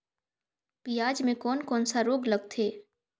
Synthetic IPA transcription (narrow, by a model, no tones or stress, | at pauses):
pijaːd͡ʒmẽkɔːnkɔːnsaɾoːɡlɐɡ̚t̪ʰeː